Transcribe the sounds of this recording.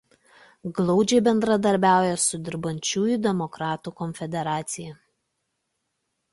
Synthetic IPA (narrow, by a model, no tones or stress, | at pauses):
ɡlˠɒʊd͡ʒʲɛɪbʲɛnd̪ɾɐd̪ɐɾʲbʲæˑʊjɛsʊd̪ʲɪɾbɐnʲt͡ʃʲuːjʊd̪ʲɛmɔkɾɑːt̪uːkɔnʲfʲɛd̪ʲɛɾɑːt̪sʲɪjɛ